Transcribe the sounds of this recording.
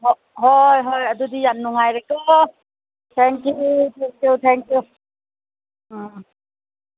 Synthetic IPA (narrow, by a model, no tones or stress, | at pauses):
hɔ | ɦɔjɦɔjadudijanːuŋajɾɛkɔ | t̪ʰɛŋkjut̪ʰɛŋkjut̪ʰɛŋkju